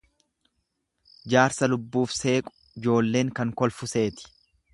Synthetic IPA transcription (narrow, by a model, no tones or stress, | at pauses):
d͡ʒaːɾsɐlʊbːuːfse̞ːkʼʊ̥ | ɪd͡ʒo̞ːlːe̞ːŋkɐŋkɔlfʊse̞ːt̪ɪ̥